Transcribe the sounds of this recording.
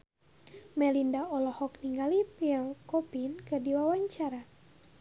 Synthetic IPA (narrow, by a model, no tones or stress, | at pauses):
mɛlindaɔlɔhɔkniŋɡalipiɛlkɔpinkɨdiwawaɲt͡ʃaɾa